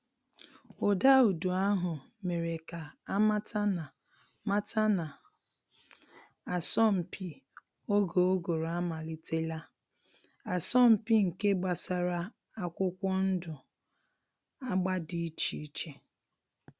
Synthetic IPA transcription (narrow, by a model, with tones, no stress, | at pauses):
o˨da˦u˨du˨a˦ɦʊ˨ | me˨ɾe˨ka˨a˦ma˦tʰa˦na˨ | ma˦ta˦na˨ | a˨sɔ˦m̩˨pʰi˦ | o˦ɡo˨o˦ɡo˨ɾa˦ma˨li˦te˦la˦ | a˨sɔ˦m̩˨pi˦ŋ̩˨ke˦ɡ͡ba˨sa˨ɾa˦ | a˦kʷʊ˦kʷɔ˦n̩˦dʊ˨ | a˦ɡ͡ba˦di˨i˦t͡ʃi˨i˦t͡ʃe˨